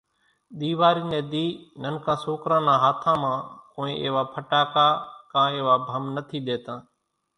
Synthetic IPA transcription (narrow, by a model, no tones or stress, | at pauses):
ɗ̪iːʋaːɾiːnẽːd̪iːnənkʰãːsoːkɾãːnãːɦaːt̪ʰãːmãːkoːĩːʔḛːʋaːpʰəʈaːkaːkãːeːʋaːbʱəmnət̪ʰiːɗ̪eːt̪ãː